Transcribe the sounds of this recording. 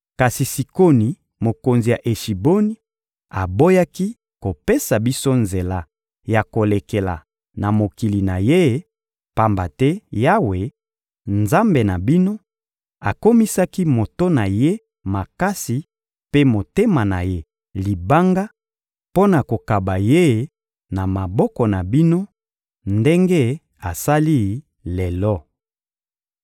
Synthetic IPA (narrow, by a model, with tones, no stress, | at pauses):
ka˨si˨si˨ko˦ni˨ | mo˨ko˨nzi˨ja˨ʔe˨ʃi˨bo˦ni˦ | a̰˨bo˦ja˦ki˦ | ko˨pe˦sa˨bi˦so˦nze˨la˦ | ja˨ko˨le˨ke˨la̰˨ | na˨mo˨ki˨li˨na̰˨je˦ | pa˦mba˨tɛ˦ja˦we˨ | nza˦mbe˨na˨bi˦no˦ | a˨ko˦mi˦sa˦ki˦mo˨to˦na˨je˦ | ma˨ka˦si˨ | pe˦mo˨te˦ma˨na˨je˦ | li˨ba˦ŋɡa˦ | po˦na˨ko˨ka˨ba˨je˦˨ | na˨ma˨bɔ˦kɔ˨na˨bi˦no˦ | nde˦ŋɡe˦ | a˨sa˦li˦ | le˨lɔ˦˨